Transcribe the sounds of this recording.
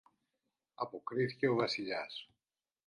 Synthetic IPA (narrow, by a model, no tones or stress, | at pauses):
ɐpo̞kɾiθice̞o̞vɐsiʎɐs